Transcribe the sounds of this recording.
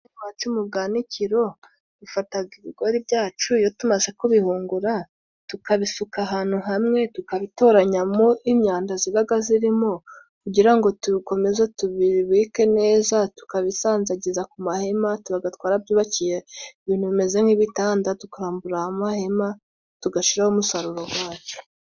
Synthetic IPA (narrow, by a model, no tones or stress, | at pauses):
iwat͡ʃumubɡaːniciɾo̞ | dufataɡiβiɡo̞ɾibɟaːt͡ʃujotumazekuβihuːŋɡuɾa | tukaβisukaɦan̥uɦamŋe̞tukaβito̞ːɾaɲamoʔimɲaːndaziβaɡaziɾimo̞ | kuɟiɾaŋɡo̞tuβiko̞me̞zotuβiβiːke̞ne̞ːzatu̥kaβisaːnzaɟizakumahe̞matuβaɡatkwaːɾab̚juːβacijeiβiːn̥huβime̞zemŋiβitaːndatukaɾaːmbuɾahamahe̞ma | tuɡaʃiɾahomusaɾuɾo̞ɡwaːt͡ʃu̥